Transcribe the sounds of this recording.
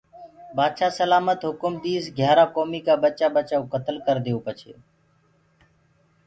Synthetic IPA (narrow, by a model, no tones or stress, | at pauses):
baːd̪ʃaːsəlaːmət̪ɦʊkʊmd̪iːsɡʱjaːɾaːkoːmiːkaːbət͡ʃaːɓət͡ʃaːukət̪əlkəɾd̪ɪjõːpət͡ʃʰḛː